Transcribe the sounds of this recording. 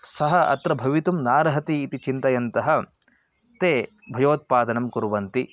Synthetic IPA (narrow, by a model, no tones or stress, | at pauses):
sɐɦɐʔɐ̰t̪ɾɐbʱɐʋit̪umnaːɾɐɦɐt̪iːt̪it͡ʃint̪ɐjɐnt̪ɐɦɐ̆ | t̪eː | bʱɐjoːt̪̚paːd̪ɐnɐmkuɾʋɐnt̪i